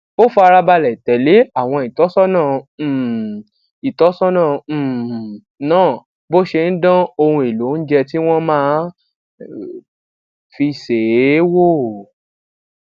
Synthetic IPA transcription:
o˦fu˧a˧ɾa˧ba˧lɛ˨tɛ˨˦le˦a˦˨w̃ɔ̃˧i˨tɔ˨˦sɔ˦nãː˦˨ | i˨tɔ˨˦sɔ˦nãː˦˨ | nãː˦˨ | bo˦ʃe˧n̩˦dã˦o˧hũ˧e˨lo˨˦n̩˦d͡ʒɛ˧ti˦w̃ɔ̃˦mãː˦ | fi˧se˨˦wo˦˨

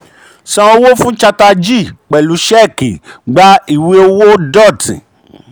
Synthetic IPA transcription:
sã˨˧o˧wo˦fũ˦t͡ʃa˧ta˧d͡ʒi˦˨k͡pɛ˨lu˨˦ʃɛ˦˨ki˨ɡ͡ba˦i˦˨we˦o˧wo˦dɔ˦˨tḭ̃˨

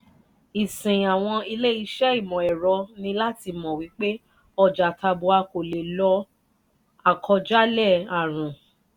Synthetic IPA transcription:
i˨sĩ˨a˨w̃ɔ̃˧i˧le˦i˧ʃɛ˦i˦˨mɔ̃˨ɛ˨ɾɔ˧nĩ˧la˦ti˧mɔ̃˨wi˨˦k͡pe˦ | ɔ˧d͡ʒa˨ta˧bu˧a˧ko˨le˨lɔ˧˦ | a˦˨kʰɔ˧d͡ʒa˦lɛ˦˨a˨ɾ̃ũ˨

